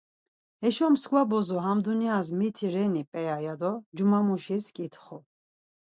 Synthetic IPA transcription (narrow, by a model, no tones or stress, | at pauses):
ɛʃɔmsɡvabɔzɔɦamd̪uniazmit̪ʰiɾɛnipʼɛjajad̪ɔd͡ʒumamuʃiskʼit̪ʰχɔ